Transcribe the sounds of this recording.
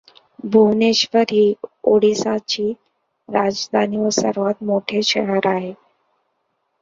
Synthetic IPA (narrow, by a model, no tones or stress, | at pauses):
bʱuʋneɕʋəɾɦiːoɽisat͡ɕiː | ɾad͡zd̪ʱaniʋəsəɾʋat̪̚moʈʰeɕʰəɽ̤əɾaɦe